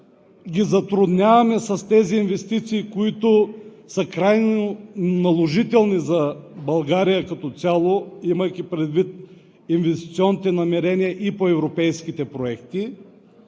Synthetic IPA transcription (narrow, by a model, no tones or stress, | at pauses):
ɡʲizɐt̪ɾʊd̪nʲavɐmɛsɐst̪ɛziːnvɛst̪it̪siːkoit̪ʊsəkɾajnonɐlˠoʒit̪ɛlˠnizɐbɐlˠɡaɾijəkɐt̪ɔt̪sʲalˠoimɐjkʲipɾɛd̪vit̪̚ | invɛst̪i̥t̪siɔnːit̪ɛnɐmɛɾɛniɐʔipoɛvɾopɛjskit̪ɛpɾoɛkt̪i